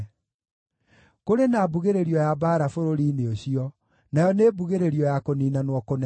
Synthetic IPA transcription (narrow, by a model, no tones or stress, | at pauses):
koɾenaːbuɣeɾeɾiɔjabaːɾafoɾoɾiːneoɕiɔ | najɔneːbuɣeɾeɾiɔjakoniːnanwɔkonɛ